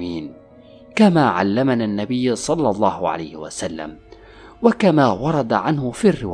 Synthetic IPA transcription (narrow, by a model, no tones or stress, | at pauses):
iːn | kamaːʕa̰lːamanaːnːabɪjːsˤɑlːɑlˤːɑːhʕa̰la̰jhɪwa̰salːa̰m | wakamaːwɑɾˤɑd̪aʕanhʊfiːrːɪw